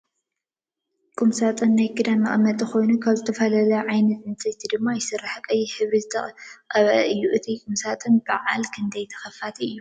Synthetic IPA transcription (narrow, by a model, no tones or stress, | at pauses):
kʼumsat̪ʼɨnːajkʰɨd̪anːɨχʼɨmːɐt̪ʼixo̞jnukʰaβzɨt̪ʰɐfɐlɐlɐʕajnɐt̪ɨnt͡sʼɐjt̪ʰid̪ɨmːajɪsɨrːaħkʼɐjːiħɨβɾizɨt̪ʰɐqʼɐβʔɐʔɨjːuʔɨt̪ʰikʼumsat̪ʼɨnbɨʕa̰lkʰɨnd̪ɐjt̪ʰɐ̥xɐfat̪ʰiɨjːu